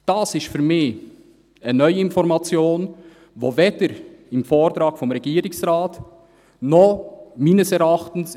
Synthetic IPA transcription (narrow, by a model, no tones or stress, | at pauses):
d̥ɑsɪstfyːɾmɪç | ənœʏɪnfɔɾmɑt͡sjoːn | voːveːd̥əɾɪmfoːɾtɾɑːkfɔmɾɛɡiːɾɪsʁaːt | nɔχmiːnəsɛɾɑχtn̩s